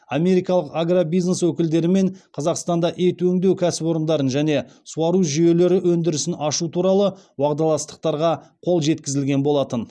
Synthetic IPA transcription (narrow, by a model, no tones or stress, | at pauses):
amʲe̞ɾijkɑlˠəqaɡrabijzneswɵkʲɪld̪e̞ɾɪme̞ɴqʰɑzɑqst̪ɑnd̪ɑʔet̪wɵŋd̪ewkʲʰæsɪpo̞ɾənd̪ɑɾənʒæne̞suɑɾuʒije̞le̞ɾɪwɵnd̪ɪɾɪsɪnɑʃut̪ʰuɾɑlˠəwɑqd̪ɑlˠɑst̪ə̥q̚t̪ɑɾʁɑqʰo̞lˠʒe̞t̪kʲɪzɪlɡʲe̞nbo̞lˠɑt̪ən